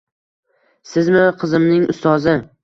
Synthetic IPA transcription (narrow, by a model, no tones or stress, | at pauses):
sɪzmɪqʰɨzɪmnɪŋʔʊ̰st̪ɒzɪ